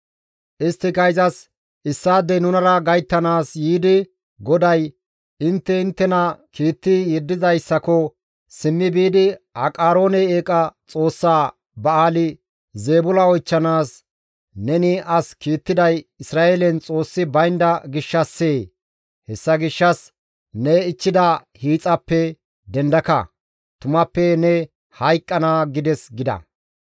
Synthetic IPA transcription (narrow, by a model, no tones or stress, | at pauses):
ʔɪst̪ːɪkɐjzɐs | ʔɪsːaːd̪ɛnʊnɐɾɐɡɐjt̪ːɐnaːsjiːd̪ɪ | ɡɔd̪ɐj | ɪnt̪ːɛɪnt̪ːɛnɐkiːt̪ːɪjɛd̪ːɪzɐjsːɐkɔ | sɪmːɪbiːd̪ɪɐkʼaːɾo̞ːnɛeːkʼɐt͡sʼo̞ːsːaː | bɐaːlɪ | zeːbʊlɐɔjt͡ʃːɐnaːs | nɛnɪʔɐskiːt̪ːɪd̪ɐjɪsɾaːeːlɛnt͡sʼo̞ːsːɪbɐjnd̪ɐɡɪʃːɐsːeː | hɛsːɐɡɪʃːɐs | nɛɪt͡ʃːɪd̪ɐhiːt͡sʼɐpːɛ | d̪ɛnd̪ɐkɐ̰ | t̪ʊmɐpːɛnɛ | hɐjkʼːɐnaːɡɪd̪ɛsɡɪd̪ɐ̰